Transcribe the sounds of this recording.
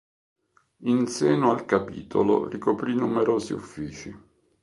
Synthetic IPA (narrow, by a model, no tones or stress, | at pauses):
inseːnoalkapḭːt̪ʰo̰lo̰rikopɾinumeɾoːzḭṵfːiːt͡ʃi